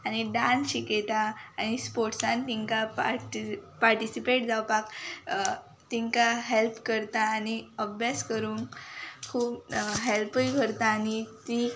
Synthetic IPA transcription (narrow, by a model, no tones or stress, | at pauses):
aɽ̃iɖãnɕiket̪aañispoɾʈsãnt̪iŋkapapaɾʈisipeʈd͡zawpak | t̪iŋkaɦelpkəɾt̪aːniəbʱjaskəɾuːŋkʰuːpɦelpujɡʱəɾt̪aːñit̪i